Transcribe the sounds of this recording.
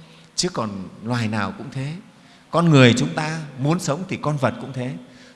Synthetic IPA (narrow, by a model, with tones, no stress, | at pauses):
t͡ɕɨ˦˥əkːɔ˨˩nlwaː˨˩jnaː˨˩wkʊ̰˧˥ŋ͡mt̪ʰe˨˦ | kɔ˧nŋɨ˨˩əjt͡ɕʊ˨˦ŋ͡mt̪aː˧mu˨˦ənsə˨˦wŋ͡mt̪ʰi˨˩kɔ˧nvə˨˩t̚kʊ̰˧˥ŋ͡mt̪ʰe˨˦